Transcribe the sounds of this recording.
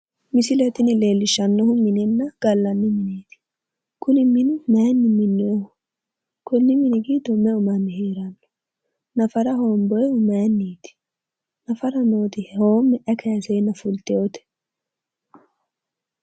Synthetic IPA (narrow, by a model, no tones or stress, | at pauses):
mɪsɪlɛt̪ɪnɪle̞ːlːɪʃɐnːɔhʊmɪnɛnːɐɡ̥ɐlːɐnːɪmɪneːt̪ɪ̥ | kʊnɪmɪnɪmeːnːɪmɪnːɪo | kʊnːɪmɪnɪɡiːd̪ɔmːɛʊmɐnːɪheːɾɐnːɔ̥ | nɐfɐɾɐɦoːmbɔjɛʊmeːnːiːt̪ɪ̥ | nɐfɐɾɐnoːt̪ɪhhoːmːɛʔɐkʰɛjsɛjnːɐfʊlt̪ɛot̪ɛ̥